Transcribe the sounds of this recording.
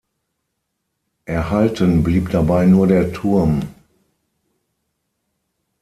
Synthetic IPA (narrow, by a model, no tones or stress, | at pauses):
ʔɛɐhaltənbliːpd̥abaɪnuːɐdeːɐtʰʊɐm